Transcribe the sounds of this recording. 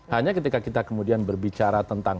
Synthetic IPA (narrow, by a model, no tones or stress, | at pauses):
haɲakət̪̬ikakit̪akəmudianbərbit͡ʃaɾat̪ənt̪aŋ